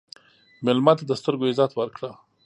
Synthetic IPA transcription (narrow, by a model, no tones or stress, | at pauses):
mɪlmɑt̪ad̪əst̪əɾɡoɪzɑt̪wəɾkɽa